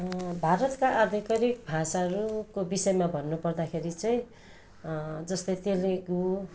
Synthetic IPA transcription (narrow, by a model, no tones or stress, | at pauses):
bʱaɾʌt̪kaʔʌd̪ʱikʌɾik̚bʱasaɦʌɾukobisʌjemabʱʌnːupʌrd̪akʰeɾit͡sʌĩ | d͡zʌst̪ʌjt̪eleɡu